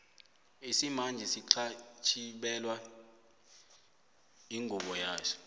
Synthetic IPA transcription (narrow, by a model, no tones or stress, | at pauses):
isimand͡ʒʱisiǃʰat͡ʃʰiɓɛlwa | iŋʱuɓɔjaːsɔ̥